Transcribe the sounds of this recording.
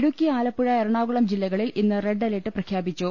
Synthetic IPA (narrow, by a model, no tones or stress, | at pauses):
ɽukʲːiaːlɐpːuɻɐeɾɐɳaːɣuɭɐmd͡ʑilːɐɣɐɭilinːɨre̞ɖɐleʈːɨprɐkʰjaːbit͡ɕːu